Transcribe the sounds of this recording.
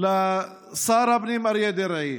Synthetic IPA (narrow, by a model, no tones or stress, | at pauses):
la | saːɾɐpnimɐɾijed̪eɾɐi